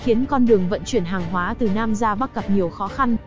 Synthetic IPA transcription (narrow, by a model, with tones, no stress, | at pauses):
xi˨˦ənkɔ˧nɗɨ˨˩əŋvə̰˧˨nt͡ɕwi˧˩ənɦaː˨˩ŋɦwaː˨˦t̪ɨ˨˩naː˧mzaː˧ɓa˦˥k̚kə˨˩p̚ɲi˨˩əwxɔ˨˦xa˧n